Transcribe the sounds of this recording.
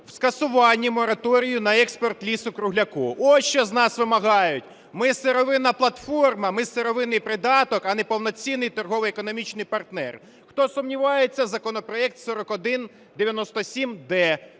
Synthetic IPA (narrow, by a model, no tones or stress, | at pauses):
w̥skɐsʊʋɑnʲːimɔɾɐt̪ɔɾʲijʊnɐɛkspɔrt̪lʲisʊkɾʊɦlʲɐkuʔɔt͡ʃɔznɑsʋɪmɐɦɑjʊtʲ | mɪseɾɔʋɪnɐplˠɐt̪fɔrmɐmɪseɾɔʋɪnɪjpɾɪd̪ɑt̪ɔkɐnɛpɔwnɔt͡sʲinːɪjt̪ɔrɦɔʋɪjekɔnɔmʲit͡ʃnɪjpɐrt̪nɛ̰r | xt̪ɔsʊmnʲiʋɑjet͡sʲːɐzɐkɔnɔpɾɔɛk̚t̪sɔɾɔkɔd̪ɪn | d̪eʋʲjɐnɔst̪ɔsʲimd̪ɛ